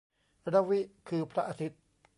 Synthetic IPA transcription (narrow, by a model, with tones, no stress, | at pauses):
ɾa˦˥wi˦˥ʔkʰɯː˧˩pʰɾa˦ʔa˧t̪ʰi˦˥t̪̚